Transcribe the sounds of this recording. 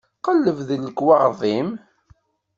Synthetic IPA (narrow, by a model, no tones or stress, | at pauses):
qəlːəvðəlːəkwɑʁðˤim